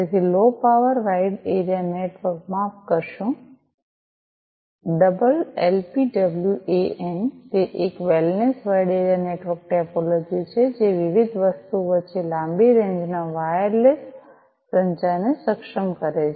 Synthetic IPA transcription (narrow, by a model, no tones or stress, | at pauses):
d͡ʒet̪ʰilopaʋəɾʋaɪɖeɾijaneʈʋəɾk̚mãkəɾʃũ | ɖəbəlelpiɖəbljuʔeent̪eʔekʋelnesʋajɖeɾjaneʈʋəɾk̚ʈɛpolod͡ʒit͡ʃʰed͡ʒeʋɪʋɪd̪ʱʋəst̪uʋət͡ʃelãmbiɾẽɲd͡ʒnaʋajəɾles | pɾə̃ɲt͡ʃanesəkʃəmkəɾee